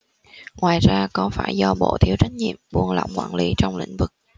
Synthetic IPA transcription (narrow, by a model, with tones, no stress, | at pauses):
ŋwaː˨˩jzaː˧kɔ˨˦faː˧˩jzɔ˧ɓo̰˧˨t̪ʰi˨˦əwt͡ɕa˨˦jŋ̟̚ɲḭ˧˨əmɓu˧˩ənlɔ̰˧˨wŋ͡mkwaː˧˩nli˨˦t͡ɕɔ˧wŋ͡mlḭ̈˧˥ŋ̟vɨ˨˩k̚